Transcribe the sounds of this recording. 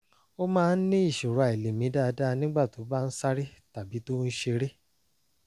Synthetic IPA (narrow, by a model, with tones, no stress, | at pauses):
o˦mãː˦˧˦n̩˦nĩ˦i˦˨ʃo˨ɾu˨a˨e˨le˨mĩ˨˦da˦˧da˦˧nĩ˦ɡ͡ba˦˨to˨˦ba˦n̩˦sa˦ɾi˦ta˨bi˨˦to˦n̩˦ʃe˧ɾe˦